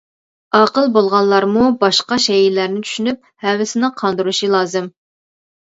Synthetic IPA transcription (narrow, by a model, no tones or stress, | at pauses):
ɑqəlˠbolˠʁɑllːˠɑɾmubɑʃqɑʃɛjilæɾnɪt͡ʃʰy̥ʃynyp̚hɛwɪsɪnɪqʰɑnd̪uɾuʃilˠɑːzɨm